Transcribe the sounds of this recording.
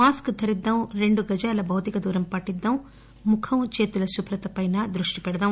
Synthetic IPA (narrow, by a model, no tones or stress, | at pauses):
maːskd̪ʰʱɐɾid̪ːɐmɾeɳɖuɡɐd͡ʒaːlɐbɐwt̪ikɐd̪uːɾɐmpɐʈːid̪ːɐm | mukʰɐmt͡ʃeːt̪ulɐsupɾɐt̪ɐpɐjnɐd̪ɾuʂʈipɛɽɐd̪ɐm